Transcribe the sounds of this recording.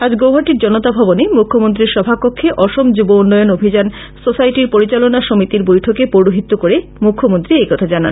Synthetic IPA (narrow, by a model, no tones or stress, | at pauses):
ad͡ʑɡowɦaɾʈiɾd͡ʑɔnot̪abʱɔbonemukʰːomont̪̬ɾiɾʃɔbʱapokʰːeʔɔʃomd͡ʑubounːɔjonobʱid͡ʑan | sosajʈiɾpoɾit͡ɕalonaʃomit̪iɾbojʈʰokepoɽoɦit̪ːokoɾe | mukʰːomont̪ɾiekɔt̪ʰad͡ʑana̰n